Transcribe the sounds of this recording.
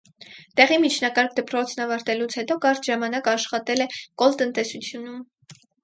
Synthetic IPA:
t̪ɛʁimit͡ʃʰnɑkɑɾkʰd̪əpɾɔt͡sʰnɑvɑɾt̪ɛlut͡sʰhɛt̪ɔkɑɾt̪ʒɑmɑnɑkɑʃχɑt̪ɛlɛkɔlt̪ənt̪ɛsut͡sʰjunum

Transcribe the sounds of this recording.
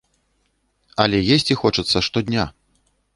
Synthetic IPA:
ɐlʲɛjesʲt͡sʲixɔt͡ʂɐt̪sːɐʂt̪ɔd̪ʲnʲa

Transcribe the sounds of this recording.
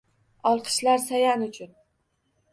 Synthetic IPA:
ɒlˠqʰɨ̥ʃlaɾsajanʊt͡ʃʰʊn

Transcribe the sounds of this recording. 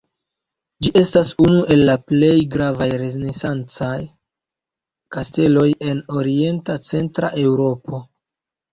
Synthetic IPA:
d͡ʒiʔe̞stasunuʔe̞lːaple̞jɡɾavajɾenesant͡saj | kaste̞lo̞je̞no̞ɾie̞ntat͡se̞ntɾa̰ʔe̞wɾo̞pʰo̞

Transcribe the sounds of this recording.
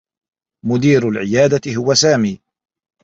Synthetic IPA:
mʊd̪iːɾʊlʕɪjaːd̪aɪɦʊwasaːmiː

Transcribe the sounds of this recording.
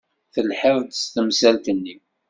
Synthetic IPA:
θəlħəvd̪st̪əmsælt̪ənːi

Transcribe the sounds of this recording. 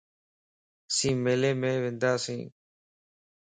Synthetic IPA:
sĩːmeːleːmẽːʋẽːnd̪aːsḭ̃ː

